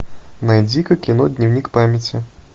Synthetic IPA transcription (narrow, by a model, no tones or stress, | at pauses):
nɐjd͡zʲikɐkʲinɔd̪ʲnʲiwnʲikpamʲɐt͡sʲi